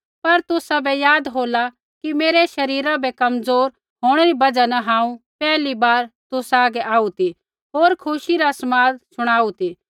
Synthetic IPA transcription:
pɐɾt̪ʊsabɛjaːd̪ɦoːla | kimeːɾɛʃɐɾiːɾabɛkɐmzoːɾ | ɦoːɽ̃ɾibɐd͡ʒanɐɦãːũpɛːlibaːɾt̪ʊsaːɡɛʔaːut̪i | ɦoːɾkʰʊʃiɾasmaːd̪̚sʊɽ̃aːut̪iː

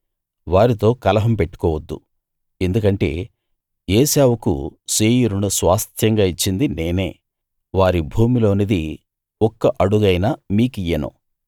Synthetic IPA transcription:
ʋaːɾit̪o̞ːkɐlɐɦɐmpe̞ʈːu̥kɔːʋɐd̪ːṵ | e̞nd̪ukɐɳʈe̞̰ː | eːsaːwɐkṵsiːjuɾunusʋaːst̪ʰjɐŋɡaːit͡ʃːind̪ine̞ːne̞ː | ʋaːɾibʱuːmilo̞ːnid̪i | ɔkːɐʔɐɽuɡɐjnɐmiːkijːɐnṵ

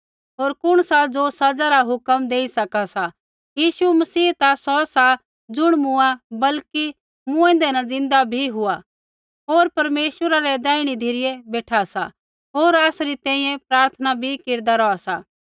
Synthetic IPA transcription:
ɦoːɾkʊɽ̃sad͡zosɐd͡zaɾaɦʊkəmd̪eːisɐkasa | jiːsumɐsiːt̪asɔsa | d͡zʊɽ̃mʊ̃abɐlki | mʊ̃ẽnd̪ɛnɐd͡zɪ̃nd̪abʱiɦʊa | ɦoːɾpɐɾmeːʃəɾaɾɛd̪ɛːiɽ̃id̪ʱiɾɪjɛbeːʈʰasa̰ | ɦoːɾaːsɾit̪ɛ̃ːĩjɛ̃pɾaːɾt̪ʰənabʱikeɾd̪aɾɔasaː

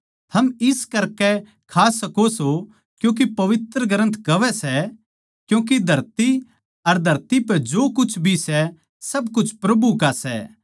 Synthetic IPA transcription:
t̪ʰɐmɪskɐɾkɛ | kʰaːsɐkoso | kjũːk̬epɐʋɪt̪ɾəɡɾə̃nt̪ʰkɐʋɛsɛ | kjũːk̬id̪ʱɐɾt̪i | ɐɾd̪ʱɐɾt̪ipɛd͡ʒoːkʊt͡ʃʰbʱisɛ | sɐbkʊt͡ʃʰpɾɐbukasɛ̰ː

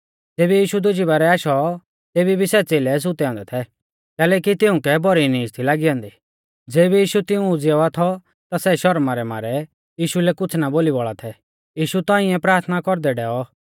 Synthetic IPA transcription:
d͡zeːbijiːʃud̪ʊd͡ʒibaɾɛaːʃɔ | t̪eːbibʱisɛt͡seːlɛs̬ʊt̪ɛɔ̃ːnd̪ɛt̪ʰɛ | kɛːlɛːkit̪ɪʊ̃kɛbɔɾinĩɪst̪ʰilaːɡiɔ̃ːnd̪i | d͡zeːbijiːʃut̪ɪũd͡zɛat̪ʰɔ | t̪asɛʃɔɾmaɾɛma̰ːɾɛ | jiːʃulɛkʊt͡sʰnaboːlibɔɭat̪ʰɛ | jiːʃut̪ãːĩɛ̃pɾaːɾt̪ʰnakɔɾd̪ɛɖɛːɔ

